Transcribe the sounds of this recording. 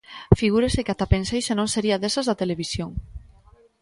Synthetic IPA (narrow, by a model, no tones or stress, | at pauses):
fiɣuɾesekat̪apensejʃenõnseɾiaðesazðat̪eleβ̞isjoŋ